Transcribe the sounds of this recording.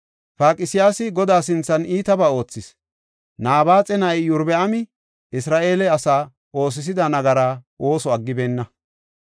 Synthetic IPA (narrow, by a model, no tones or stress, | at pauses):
paːkʼɪsɪjaːsɪɡɔd̪aːsɪnt͡sːɐniːt̪ɐbaːo̞ːt͡sːɪs | naːbaːt͡sʼɛnɐjjʊɾbɛɐmɪ | ɪsɾaːʔe̞ːlɛɐsaː | ʔo̞ːs̬ɪs̬ɪd̪ɐnɐɡɐɾaːʔo̞ːsɔɐɡːɪbeːnːɐ